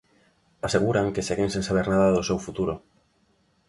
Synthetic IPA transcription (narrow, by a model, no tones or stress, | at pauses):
aseɣuɾaŋkeseɣeŋsẽnsaβ̞eɾnaðaðosewfut̪uɾo